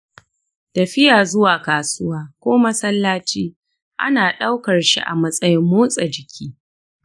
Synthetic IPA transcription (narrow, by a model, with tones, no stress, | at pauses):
tɐ˨ɸɪ˦jaː˨zʊ˦waː˨kaː˨sʊ˦waː˦kʷoː˦mɐ˦sɐ˦lːaː˦t͡ʃiː˦ | ʔa̰˦naː˨ɗa˦wkɐ˨rʃḭ˦ʔa̰˨mɐ˦sʼɐ˦jɪ˦mːoː˦sʼɐ˨d͡ʒɪ˨kʲʰiː˦